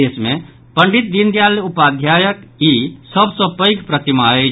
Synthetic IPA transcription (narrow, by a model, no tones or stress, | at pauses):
eːsmẽ | pəɳɖit̪̚d̪ind̪jaljupaːd̪jaːjəkisəbsəpəɪkpɾət̪imae